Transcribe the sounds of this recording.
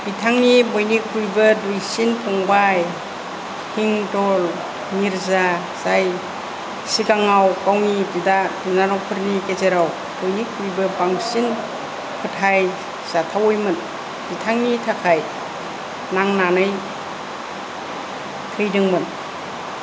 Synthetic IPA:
b̥itʰaŋnibɔjnikʰujbɯdujsinpʰɔŋbaj | hiŋtɔl | niɾza | z̥aj | sikaŋawkawnididadinanɔwpʰɯɾnikezeɾaw | d̥ojnikʰːujbɯbaŋsin | kʰɯtʰaj | z̥atʰawɔjmɯn | b̥itʰaŋnitʰakʰaj | naŋnanɯj | tʰɯjdɯŋmɯn

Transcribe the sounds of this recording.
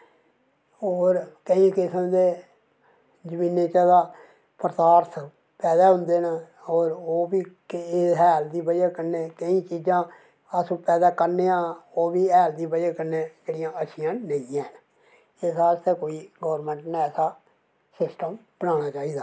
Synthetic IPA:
oːɾkəĩːkɪsəmd̪eː | d͡ʒəmiːnːeːt͡ʃãːd̪aː | pɾət̪aːɾt̪ʰ | pɛːd̪aːɦʊnd̪eːna | oːɾoːbiːkːɦɛːld̪iːbəd͡ʒaːkəɾneːkəĩːt͡ʃiːd͡ʒãː | əsũːpɛːd̪aːkəɾneːãːoːbiːɛːld̪iːbəd͡ʒaːkəɾneːd͡ʒeːɽijãːəʃʰɪjãːnəĩãːn | eːsaːɾst̪eːkoːiːɡoːɾmə̃ːɳʈneɛːsaː | sɪsʈəmb̥ənaːɽ̃aːt͡ʃaːiːd̪aː

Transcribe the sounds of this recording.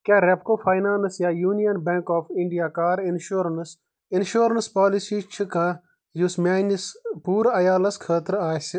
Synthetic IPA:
kaːɾep̚koːfʰaːɪnaːnsjaːjuːnijɐnbɛ̃ŋkɔːfʰɪɳɖijaːkaːɾɪnʃuːɾəns | ɪnʃoːɾənspaːlisiːt͡ʃʰika | jusmaːnispuːɾɐjaːlɐskʰəːt̪əɾaːsi

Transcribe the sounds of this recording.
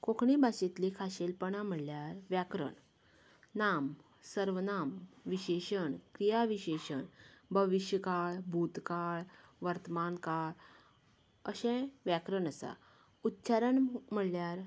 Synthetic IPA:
kokɳibaɕit̪likʰaɕelpəɳam̤əɽljaɾʋjakɾə̰ɳ | nam | səɾʋənamʋiɕeɕəɳkɾijaʋiɕeɕəɳbʱəʋiɕjəkaɭbʱut̪kaɭʋəɾt̪əmankaɭ | əɕɛ̃ʋjakɾəɳəsa̰ | ut̪ːt͡ɕaɾəɳm̤əɽljaɾ

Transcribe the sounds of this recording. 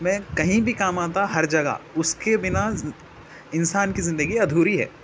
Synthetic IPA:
mɛ̃ːkɐɦĩbʱikaːmaːt̪aɦɐɾd͡ʒɐɡa̰ʊskebɪna | ɪnsaːnkizɪ̃nd̪əɡiɐd̪ʱuːɾiɦɛ̰ː

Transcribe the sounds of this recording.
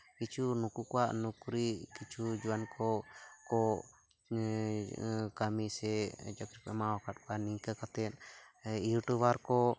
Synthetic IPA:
kit͡ʃʰunukukɔwaʔnukɾikit͡ʃʰud͡ʒuwankɔkɔ | kamisɛd͡ʒakɾipɛmawɔkʰat̚kaniŋkakat̪ɛt̪̚ijuʈubaɾkɔ

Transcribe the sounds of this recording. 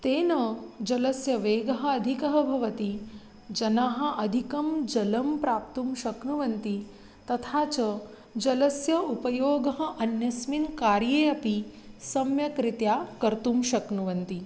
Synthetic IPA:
t̪eːnɐd͡ʒɐlɐsjɐʋeːɡɐɦɐ̆ɐd̪ʱikɐɦɐbʱɐʋɐt̪i | d͡ʒɐnaːɦɐ̆ʔɐd̪ʱikɐmd͡ʒɐlɐmpɾaːp̚t̪umʃɐknuʋɐnt̪i | t̪ɐt̪ʰaːt͡ʃɐ | d͡ʒɐlɐsjɐupɐjoːɡɐɦɐ̆ʔɐnjɐsminkaːɾjeːɐpisɐmjɐkɾit̪jaːkɐɾt̪umʃɐknuʋɐnt̪i

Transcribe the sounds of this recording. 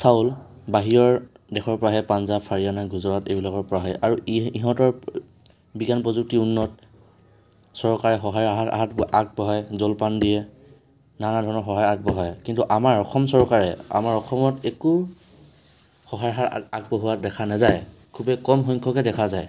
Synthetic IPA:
saʊl | baɦijɔɹ | dɛxʰɔɹpɔɹaɦɛpanzapʰaɹianaɡʱuzɔɹatebilakɔɹpɔɹaɦɔjʔaɹuiɦɔ̃tɔɹ | biɡanpɹɔzuk̚tiunːɔt | sɔɹkaɹɛɦɔɦajaɦata̰ɦatʔak̚bɔɦajzɔlpandijɛ | nanadʱɔɹnɔɹɦɔɦajak̚bɔɦajkintuʔamaɹɔxʰɔmsɔɹkaɹɛa̰maɹɔxʰɔmɔteku | hɔɦajaɦataɡ̚bɔɦuwadɛkʰanazaj | kʰubɛkɔmxɔɲkʰɔkɛdɛkʰazaj

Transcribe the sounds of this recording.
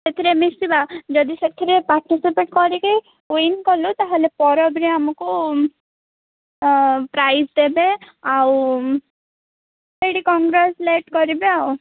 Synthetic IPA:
set̪ʰiɾemisibad͡ʒɔd̪iset̪ʰiɾepaɾʈisipeʈkɔɾike | oinikɔlut̪aɦelepɔɾɔbɾiamɔku | pɾajsd̪ebe | aw | seɽikɔŋɡɾesleʈkɔɾibeaw

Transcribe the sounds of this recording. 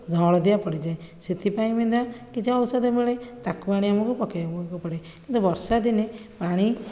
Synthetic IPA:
d͡ʒʱɔɭɔd̪ijapɔɽid͡ʒaẽset̪ipaĩmind̪ɔkit͡ʃʰiɔwsɔd̪emeɭet̪akubaɽ̃iamɔkupɔkebɔkɔpɔɽe | kint̪ubɔɾsad̪inepaɽ̃i

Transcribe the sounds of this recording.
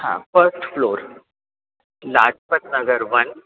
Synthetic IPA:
hã̰fəɾsʈfloɾ | lad͡ʑpət̪nəɡəɾʋən

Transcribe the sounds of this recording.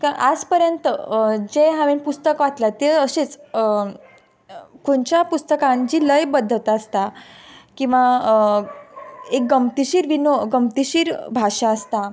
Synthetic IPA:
kaʔad͡zpəɾjənt̪əd͡zeɦaʋenpust̪əkʋat̪lat̪eəɕet͡s | koɳt͡ɕjapust̪əkãnd͡ʑiːləjbəd̪ʱːət̪əst̪akĩw̃ʋa | ek̚ɡəmt̪iɕiːɾʋinoɡəmt̪iɕiːɾbʱaʂaəst̪a

